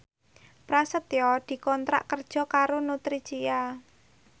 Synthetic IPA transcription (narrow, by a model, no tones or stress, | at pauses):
pɾasət̪jɔd̪̥i̤kɔnt̪ɾa̰ʔkərd̥ʒ̥ɔ̤kaɾonut̪ɾid̥t͡ʃija